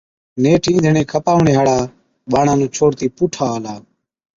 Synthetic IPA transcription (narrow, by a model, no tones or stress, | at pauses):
neːʈʰĩːnd̪ʱəɳẽːkʰəpaːʋɳeːɦaːɽaː | ɓaːɳãːnũːt͡ʃʰoːɽt̪iːpuːʈʰaːlaː